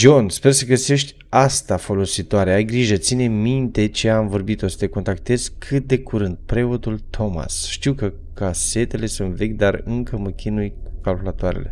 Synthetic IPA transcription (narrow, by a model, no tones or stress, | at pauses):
d͡ʒo̞nspe̞rsəɡəse̞ʃt̪ʲ | ast̪afo̞lo̞sit̪oaɾeajɡɾiʒət̪sine̞mint̪e̞t͡ʃeamvo̞rbit̪o̞sə̥t̪e̞ko̞nt̪akt̪e̞z̥kʰɨt̪̚d̪e̞kuɾɨnd̪̚pɾe̞o̞t̪ult̪ʰo̞ma̰sʃt̪iwkə | kase̞t̪e̞le̞sunt̪ve̞kʲd̪arɨŋkəməkʲinujkalkulat̪oaɾḛle̞̰